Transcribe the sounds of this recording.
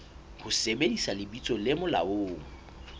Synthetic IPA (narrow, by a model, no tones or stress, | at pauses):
hʊsebedisalɪbit͡sʼɔlɪmʊla̰oːŋ̩